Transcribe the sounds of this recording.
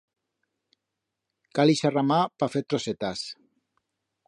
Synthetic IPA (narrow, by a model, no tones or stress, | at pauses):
kaliʃaramapafet̪ɾoset̪as